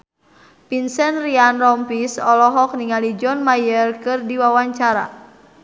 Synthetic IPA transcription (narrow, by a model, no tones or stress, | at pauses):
pinsɛnrianrɔmpisɔlɔɦɔk̚niŋalid͡ʒɔnmajərkɨrdiwawaɲt͡ʃaɾa̰